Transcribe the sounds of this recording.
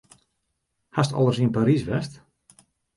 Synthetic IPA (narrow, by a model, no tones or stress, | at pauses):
hastɔ̰lˠərsiənpaɾisʋɛst